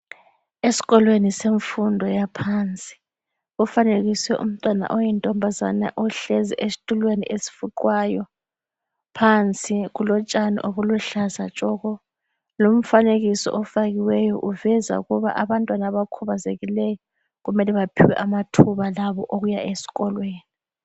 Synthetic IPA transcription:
esi̥ɣɔlweniseɱfundʱɔjapʰant͡sʼi̥ | ufaneɣiswɛʔṵm̩tʼwana̰ʔɔjɛntʼɔmbʱaza̰na̰ʔɔɬɛzɛ̰ʔesi̥tʼulwenḭʔesi̥fuǃwaːjɔ | pʰant͡sʼiɣulɔt͡ʃʼanḭʔoɣuluɬazat͡ʃʼɔɣɔ | lom̩faneɣisɔ̰ʔɔfaɣiwɛjɔʔuvɛza̰uɣuβa̰ʔaβantʼwanaβakʰuβazeɣilɛjɔ | ɣumɛlɛβapʰiwɛ̰ʔamatʰuβalaβɔʔoɣujaʔesi̥ɣɔlweːni

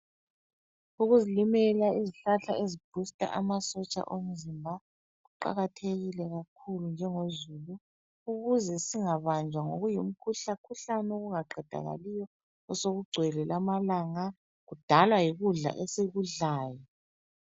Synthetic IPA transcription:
uɣuzilimɛlaiziɬaɬaezib̥ʱustʼa̰ʔamasɔt͡ʃʼa̰ʔom̩zimbʱa | ɣuǃa̰ɣatʰeɣilɛɣakʰulund͡ʒʱɛŋozulu | uɣuzɛsiŋaβand͡ʒʱwaŋoɣujum̩kʰuɬakʰuɬanoɣuŋaǃʱɛd̥ʱa̰ɣa̰lijɔ | ɔsoɣuɡ͡ǀʱwɛlɛlamalaŋa | ɣud̥ʱalwajiɣuɮa̰ʔesiɣuɮaːjɔ

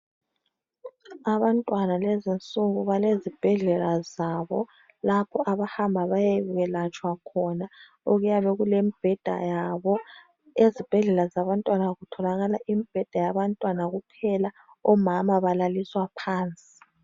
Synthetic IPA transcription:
aβantʼwanalezint͡sʼuɣuβalezib̥ʱɛɮɛlazaːβɔ | lapʰɔaβahambʱaβajeβuɣɛlat͡ʃʰʼwakʰɔna | oɣujaβeɣulemib̥ʱɛd̥ʱa̰jaβɔ | ezib̥ʱɛɮɛlazaβantʼwanaɣutʰɔlaɣalaʔimib̥ʱɛd̥ʱajaβantʼwanaɣupʰɛla | ɔmamaβalaliswapʰaːnt͡sʼi̥i̥

